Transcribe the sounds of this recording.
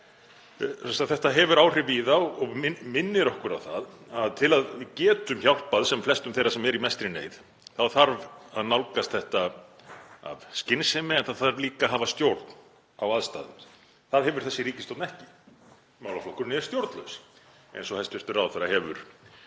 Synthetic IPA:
ɛst̪aθɛht̪aɦɛvʏɾawr̥ɪviːðaɔɣɔɣɪmɪnːɪɾɔhkʏɾaðθaðaðt̪ʰɪlaðɪcɛːt̪ʏmçawl̥paðsɛmflɛst̪ʏmθejɾasɛmɛɾimɛst̪ɾɪnḛːjð | θaðθaɾvaðnawlkast̪̚θɛht̪a | a̰vscɪnsɛmɪɛnθaθaɾliːkaɦaːvast̪jowɾt̪n | awaðst̪a̰ːðɪ | θaðɦɛvʏɾ̥θɛsːɪɾiːcɪst̪owt̪nɛhcɪ | mawlaflɔhkʏɾnɪɛɾ̥st̪jowɾt̪nlœ̰ws | ḛjnsɔhɛst̪ɪɾ̥t̪ʏɾawθɛɾahɛvʏ̰ɾ̥

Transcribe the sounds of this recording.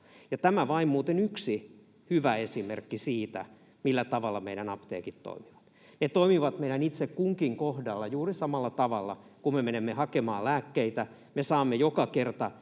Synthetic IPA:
jɑt̪æmæʋɑimmuːt̪enyksi | hyʋæesimḛrkːisiːt̪æ̰ | milːæt̪ɑʋɑlːɑmeiɾænɑpt̪ḛːkit̪to̰imiʋɑ̥t̪ | net̪oimiʋɑt̪meiɾænit̪sekkuŋkiŋkohdɑlːɑjuːrisɑmɑlːɑt̪ɑʋɑlːɑ̰kummemenemːehɑkemɑːlæːkːeit̪æ | mesɑːmːejokɑkert̪ɑ

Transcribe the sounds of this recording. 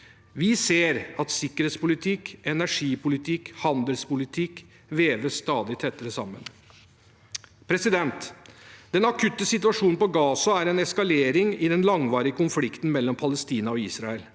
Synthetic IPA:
ʋɪseːɾɑt̪sɪkːəɾheːt̪spʊlɪt̪ʰɪkɛnæʂiːpʊlɪt̪ʰɪkhɑnd̪əlspʊlɪt̪ʰɪk | ʋeːʋəst̪ɑːd̪ɪt̪ʰɛt̪ːəɾəsɑmːə̰n | pʰɾɛsɪd̪ɛnt̪d̪ɛnɑkʰʉt̪ːəsɪt̪ʉɑʂuːnn̩pɔɡɑːsɑæɾɛnɛskɑleːɾɪŋɪd̪ɛnlɑŋʋɑːɾɪəkʊnflɪkt̪n̩mɛlːɔmpʰɑləst̪iːnɑɔiːsɾɑɛl

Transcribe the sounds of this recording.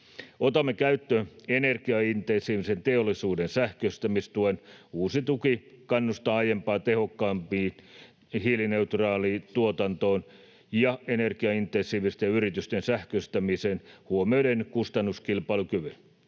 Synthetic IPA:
ot̪ɑmːekæyt̪ːøːenerkiɑint̪ensˑiːʋisent̪eolːˑisuːdensæhkøst̪æmist̪uenuːsit̪ukikɑnːust̪ɑɑjempɑːt̪ehokːɑːmpiːn | hilineut̪rɑːlit̪uot̪ɑnt̪oːn | jɑenerkiɑint̪ensˑiːʋist̪ejɑyrit̪yst̪ensæhkøst̪æmisenhuomiodenkust̪ɑnːuskilpɑilukyʋyn

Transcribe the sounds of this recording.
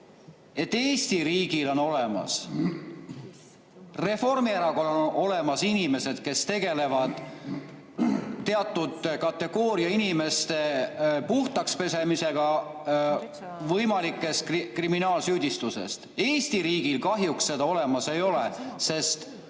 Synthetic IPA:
e̞t̪ːe̞ːsʲt̪iɾiːɡ̥ilo̞no̞le̞mɑ̰s | re̞fo̞rmieɾɑɡ̥o̞lono̞le̞mɑsinime̞se̞d̪̥ke̞st̪e̞ɡ̥e̞le̞vɑd̪̥ | t̪ːe̞ɑt̪ːˑud̪̥kɑt̪ːe̞ɡ̥o̞ːɾiɑinime̞st̪e̞puht̪ɑkspe̞se̞mise̞ɡ̥ɑ | vɤjmɑlikːˑe̞st̪kriminɑːlsyːd̪̥ist̪use̞̰st̪e̞ːst̪iɾiːɡ̥ilkɑɦjuksːe̞d̪̥ɑo̞le̞mɑse̞jo̞lese̞st̪

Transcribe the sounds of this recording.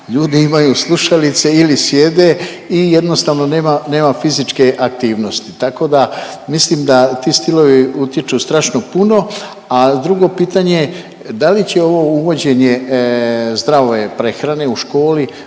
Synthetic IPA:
ʎuːd̪iimajuslˠuʃalit̪se̞ilisje̞d̪e | ije̞d̪nost̪aːʋno̞ne̞ːmane̞ːmafizit͡ʃke̞ʔak̚t̪iːʋno̞st̪i̥t̪ako̞d̪amislimd̪at̪iːst̪ilo̞ʋiut̪jet͡ʃuːst̪ɾaːʃno̞puno̞ | ad̪ɾuɡo̞piːt̪aɲe | d̪alit͡ɕe̞o̞ʋo̞uʋo̞d͡ʑe̞ɲe̞ | zd̪ɾaoʋepɾe̞xɾane̞uʃko̞ːli

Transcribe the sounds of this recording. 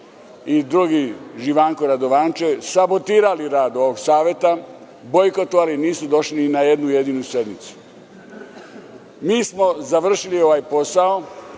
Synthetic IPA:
id̪ɾuɡiʒiʋaːŋkoɾad̪o̞ʋaːnt͡ʃesabo̞t̪iːɾaliɾaːd̪o̞ʋoɡsaːʋjet̪a | bo̞jkot̪oʋaliniːsud̪o̞ʃlinaje̞d̪nujed̪inuse̞d̪mit̪su̥ | miːsmo̞zaʋr̩ʃilio̞ʋajpo̞sao̞

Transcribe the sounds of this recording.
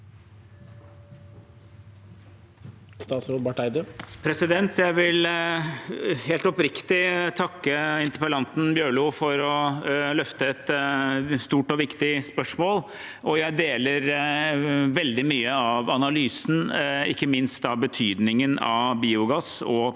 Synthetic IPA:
st̪ɑːt̪sɾoːd̪bɑʈæɪd̪əpʰɾɛsɪd̪ɛnt̪jæɪʋɪl | heːlt̪ɔpɾɪkt̪ɪt̪ʰɑkːəɪnt̪əɾpəlɑnt̪n̩bjøːɭuːfɔɾɔlœft̪əɛt̪ | st̪uːʈɔʋɪkt̪ɪspœʂmoːl | ʔɔjæɪd̪eːləɾ | ʋɛld̪ɪmyːəɑʋɑnɑlyːsn̩ɪkːəmɪnst̪ɑbət̪ʰyːd̪nɪŋənɑ̰biːʊɡɑsɔ

